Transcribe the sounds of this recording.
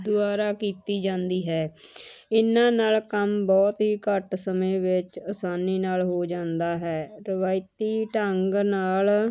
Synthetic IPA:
d̪ʊaːɾaːkiːt̪iːd͡ʒãːnd̪iːɦɛː | ɪnãːnaːlkəmbɔːt̪ɦiːkəʈsəmẽːʋɪt͡ʃəsaːniːnaːlɦoːd͡ʒãːnd̪aːɦɛːɾəʋaːɪt̪iːʈəŋɡnaːl

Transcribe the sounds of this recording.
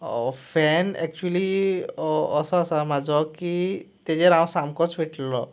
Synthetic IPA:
ɔfʰɛnɛ̰k̚t͡ʃuəli | ɔsasamad͡zɔkit̪ed͡ʒeɾaw̃samkɔt͡ʃbʱeʈʰlɔ

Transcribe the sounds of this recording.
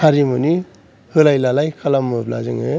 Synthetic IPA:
aɾimuni | hɯlajlalajkʰalamːɯpla̰zɯŋɯ

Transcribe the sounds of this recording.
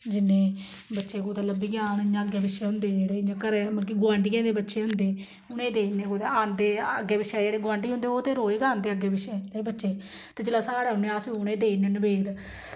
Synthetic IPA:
d͡ʒɪnːẽː | bətːʃeːkoːt̪aləbiːɡjaːnɪɲãːəɡeːbɪʃeːɦʊnd̪eːd͡ʒeːɽeːɪɲãːkəɾɛːməlk̬iɡʊãːɳɖiːkɛ̃ːnd̪eːbətːʃeːɦʊnd̪eː | ʊnẽːd̪eːneːkoːt̪eaːnd̪eːəɡːeːbɪʃɛːd͡ʒeːɽeːɡʊʋãːɳɖiːɦʊ̃nd̪eːoːt̪eːɾoːeːkãːnd̪eːəɡeːbɪʃeːebətːʃeː | t̪eːd͡ʒɪlaːsaːɽeːɦʊnẽaːsiʊnẽːd̪eːnenbeːd̪

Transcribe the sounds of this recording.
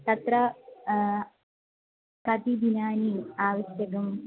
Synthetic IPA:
t̪ɐt̪ɾɐ | kɐt̪id̪inaːniaːʋɐʃjɐkɐm

